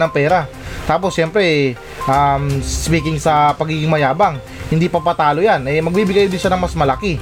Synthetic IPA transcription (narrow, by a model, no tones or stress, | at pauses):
nɐŋpɛːɾa | t̪aːp̬o̞sːɛmpɾɛ | ʔamspiːkɪŋsɐpɐɡiːɡɪŋmɐjaːbaŋ | hɪnd̪ipɐpɐt̪aːlojanɛmɐɡ̚biːbɪɡkɐjod̪ɪnʃanɐŋmɐsmɐlɐkɪ